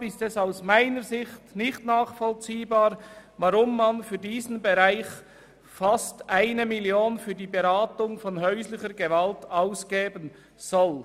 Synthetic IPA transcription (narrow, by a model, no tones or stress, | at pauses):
ɪstɛsaʊsmaɪnəɾzɪxtnɪçtnaːχfɔlt͡siːbaːɾvaɾʊmːanfyːɐdiːzn̩beʁaɪç | fastʔaɪnəmiljoːnfyːɐdiːbɛɾaːtʊŋfɔnɦœʏslɪçəɾɡəvaltaʊsɡ̥eːbən | z̥ɔl